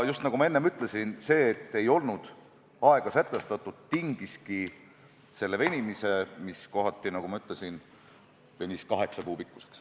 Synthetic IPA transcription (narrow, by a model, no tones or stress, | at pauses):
just̪nɑɡumɑe̞nːemyt̪ˑle̞sinse̞ːt̪ːe̞jo̞lnud̪̥ | ɑe̞ɡ̥ɑsæt̪ːˑe̞st̪ɑt̪ːˑud̪̥t̪iŋɡ̥iski | se̞lːeve̞nʲimise̞misko̞ɦɑt̪ːˑinɑɡ̥umɑyt̪ˑle̞sin | ve̞nʲiskɑɦe̞ksɑkuːpikːˑu̥se̥ks